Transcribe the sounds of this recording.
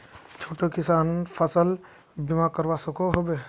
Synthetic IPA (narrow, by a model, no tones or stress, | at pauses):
t͡ʃʰoːʈokɪsaːnpʰəsəl | bimakəɾʋasəkoɦobe